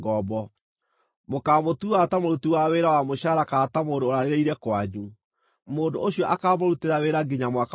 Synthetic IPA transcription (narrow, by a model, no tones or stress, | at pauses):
ɡɔbɔ | mokaːmotuatamoɾutuwaweɾawamoɕaɾakaːtamoːdoːɾaɾeɾeiɾɛkwaɲu | moːndooɕiɔʔakaːmoɾuteɾaweɾaɡeɲamwak